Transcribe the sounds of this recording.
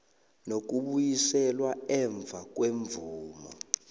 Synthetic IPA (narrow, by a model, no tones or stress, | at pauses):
nok̬uɓujisɛlwaɛɱb̪vʱak̬ʼweɱvuːmɔ̰